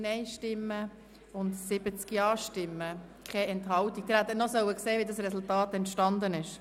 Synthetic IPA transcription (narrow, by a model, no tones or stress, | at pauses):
nɛɪʃtɪmːə | ʊntsɪbət͡skiɑːʃtɪmːə | kʰɛɛntɦɑwtik̚d̥̪ɪɾhæt̪ːnɔsœwəkseːʋidɑsɾɛsultɑːt̪ɛntʃtɑnd̪ənɪʃ